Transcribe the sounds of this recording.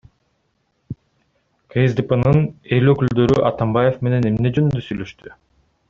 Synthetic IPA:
kʰejezd̪ipənɯne̞løkyld̪ø̞ɾyʔɑt̪ɑmbaje̞fme̞ne̞ne̞mne̞d͡ʒønynd̪øsyjlø̞ʃt̪y

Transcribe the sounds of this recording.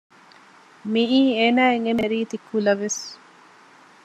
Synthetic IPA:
miʔiːeːnaːeŋemeɾiːt̪ikʰːulɐʋes

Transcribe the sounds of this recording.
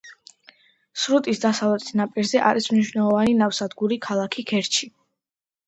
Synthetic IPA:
sɾut̪ʼisd̪asavlɛt̪ʼi̥snapʼiɾzɛʔa̰ɾismniʃwnɛlˠɔvaninafsad̪ɡuɾikʰalˠakʰikʰɛɾt͡ʃʰi

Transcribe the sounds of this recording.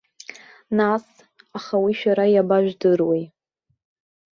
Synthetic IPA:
nas | aχawiʃᶣaɾajabaʒᶣdɨrwej

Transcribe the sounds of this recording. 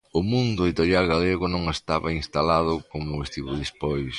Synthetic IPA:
ʊmũnd̪ʊeðit̪oɾjalɣaleɣʊnõŋest̪aβainst̪alaðʊkoŋnʊest̪iβuðispojs

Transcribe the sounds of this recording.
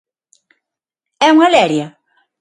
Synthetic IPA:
ɛuŋalɛɾjɐ

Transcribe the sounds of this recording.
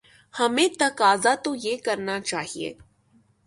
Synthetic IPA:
hɐmẽt̪ɐkaːzat̪ojeːkɐɾnat͡ʃaːɦiḛː

